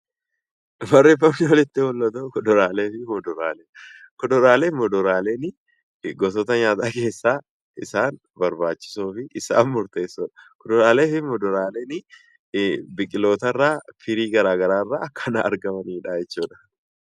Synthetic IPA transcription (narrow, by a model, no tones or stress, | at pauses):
bɐrːefɐfɔlɛt̪ːɪwɔlːɐt̪ɔkɔdɔɾaːle̞ːfɪmɔd̪ɔɾa̰ːle | kɔd̪ɔɾaːleːmɔd̪ɔɾaːleːnɪ | ɡɔs̬ɔt̪ɐɲaːt̪ʼaːke̞ːsːaː | ɪsaːn | bɐɾbaːt͡ʃːɪ̥suːfɪʔɪsa̰ːnmʊɾt̪e̞ːsːɔᶑɐ̥kɔd̪ɔɾaːle̞ːfɪmɔd̪ɔɾaːleːnɪ | bɪkʼɪlo̞ːt̪ɐrːaːfɪɾiːɡɐɾaːɡɐɾaːrːaːɐkːɐnɐɐ̰ɾɡɐmɐniːᶑaːjɛt͡ʃːuːᶑɐ̥